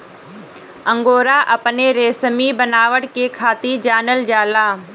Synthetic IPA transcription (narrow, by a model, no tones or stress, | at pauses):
ə̃ŋɡoːɾaːʔɐpneɾeːsəmibənaːʋəɽkeːkʰaːt̪id͡ʒaːnəld͡ʒaːlaː